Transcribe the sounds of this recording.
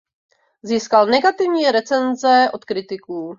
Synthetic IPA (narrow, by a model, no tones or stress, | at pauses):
ziːskalnɛɡat̪ɪvɲiːɾɛt͡sɛnzɛʔo̞t̪kɾɪt̪ɪkuː